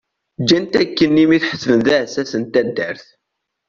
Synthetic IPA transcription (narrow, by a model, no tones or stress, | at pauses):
d͡ʒːænt̪ækːənːimiθħə̥svənðæsæsənt̪æd̪ːəɾθ